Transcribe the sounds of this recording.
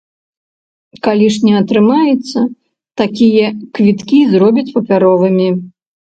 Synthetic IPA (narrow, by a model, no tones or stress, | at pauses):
kalʲiʂnʲɛɐt̪ɾɨmajɛt̪sːɐ | t̪akʲijɐkvʲit̪kʲizɾɔbʲit͡sʲpɐpʲaɾɔvɨmʲi